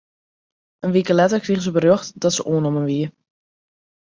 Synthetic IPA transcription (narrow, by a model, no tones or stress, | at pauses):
ʔənʋikəlɛtərkriɣəzəbərjoχtdɔtsəʔoːnɔmənʋiə